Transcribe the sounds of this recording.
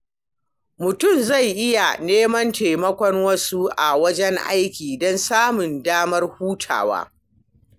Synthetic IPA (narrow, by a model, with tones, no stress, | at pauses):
mʊ˨tʊ˦˨mza˦˨jʔɪ˦ja˨neː˦mɐ˦nte˨mɐ˦kʷɔ˦ŋwɐ˦su˦ʔa˨wɐ˦d͡ʒɛ˦ŋʔa̰˦jkʲiː˨dɔ˦nsaː˦mʊ˨ndaː˦mɐ˦rhuː˦tʰa̰ː˨wa̰ː˦